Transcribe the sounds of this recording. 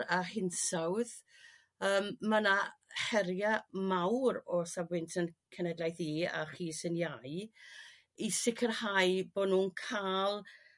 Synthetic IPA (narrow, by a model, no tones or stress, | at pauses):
ahɪnsawð | əːmːanahɛɾjamawɾɔsavwɪntʰənkʰənɛdlˠajθiːa̰χiːsɪnjaɨ | isɪkʰərhajbodnuːnkʰalˠ